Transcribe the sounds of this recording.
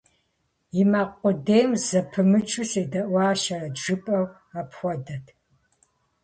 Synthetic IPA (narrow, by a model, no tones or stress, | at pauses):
jimaːqʷʼɔdeːjmzɐpʰɨmɨt͡ʃʼuseːdɐʔʷaːʃɐrɐʒɨpʼɐw | apxʷɔdɐtʰ